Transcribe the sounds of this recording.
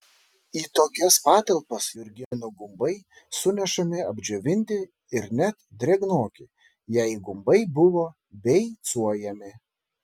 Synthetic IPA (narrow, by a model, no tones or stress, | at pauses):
iːt̪oːkʲɛspɑːt̪ɐlˠpɐsjʊɾʲɡʲɪnʊɡʊmbɐɪ | sʊnʲɛʃɐmʲɪɐbʲd͡ʒʲoʋʲɪnʲt̪ʲɪ | ɪɾnʲɛt̪d̪ʲɾʲɛɡnoːkʲɪ | jɛɪɡʊmbɐɪbʊʋoː | bʲɛɪt̪suɔjɛmʲɪ